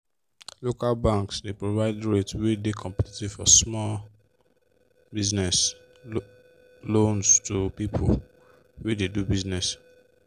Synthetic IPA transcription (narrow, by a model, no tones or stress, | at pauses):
lokalbãŋksdepɹovaɪdɹetwedekʰɔ̃mpɛtetifɔsmɔl | biznɛs | lõnstʰupipʰul | wededubiznɛs